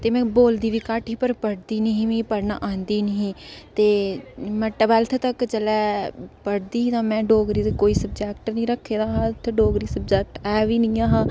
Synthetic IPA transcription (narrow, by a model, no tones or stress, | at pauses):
t̪eːmɛ̃ːboːld̪iːʋiːkaʈɦiːpəɾpəɽd̪iːniɦĩːʋĩːpəɽna̰ːʔãːnd̪iːniɦĩːt̪eːmɛ̃ːʈəbɛlt̪ʰt̪əkt͡ʃəlɛːpəɽd̪iːt̪ãːmɛ̃ːɖoːɡɾiːt̪ekoːiːsəb̚d͡ʒɛːk̚ʈənĩːɾəkʰːeːd̪aːɦãːt̪ʰɖoːɡɾiːsəbd͡ʒɛːk̚ʈɛːʋiːnĩːaːɦãː